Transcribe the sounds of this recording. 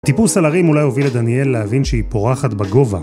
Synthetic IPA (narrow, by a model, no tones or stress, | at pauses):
t̪ipulsalaʁimulajho̞viledanie̞lːehavinʃeipo̞ʁaχat̪baɡo̞va